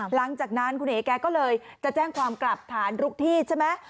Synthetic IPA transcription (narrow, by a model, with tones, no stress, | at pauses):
la˨˩˦ŋt͡ɕaː˨˩k̚na˦˥nkʰu˧nʔeː˨˩˦kɛː˧kɔː˥˩lɤː˧jt͡ɕa˨˩ʔt͡ɕɛː˥˩ŋkʰwaː˧mkla˨˩p̚t̪ʰaː˨˩˦nɾu˦˥k̚t̪ʰiː˥˩t͡ɕʰe˥˩mɛ˦˥